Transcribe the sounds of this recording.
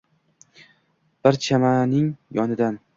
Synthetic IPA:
b̥ɪɾt͡ʃʰamanɪŋjɒnɪd̪an

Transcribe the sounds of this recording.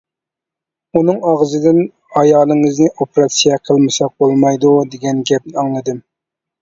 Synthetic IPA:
unɨŋɑʁzɨd̪ɪn | ɑjɑːlˠɨŋɨznɪʔopeɾɑt̪sijɛqʰəlˠmɨsɑq̚bolˠmɑjd̪ud̪eɡʲɛnɡʲɛp̚nɪɑŋlˠɨd̪ɨm

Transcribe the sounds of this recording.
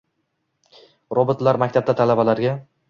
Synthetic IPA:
ɾobɨt̪laɾmakʲt̪ʰap̚d̪at̪ʰalabalaɾɡʲa

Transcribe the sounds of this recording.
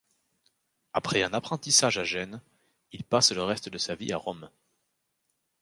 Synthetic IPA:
apχɛɛ̃napχɑ̃t̪isaʒaʒɛn | ilpasləʁɛst̪əd̪əsaviaʁɔm

